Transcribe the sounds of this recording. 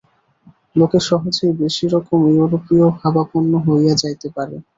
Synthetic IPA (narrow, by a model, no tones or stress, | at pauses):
lokeʃɔɦod͡ʑejbeʃiɾɔkomjuwɾopiohabaponːoɦojad͡ʑajt̪epaɾḛ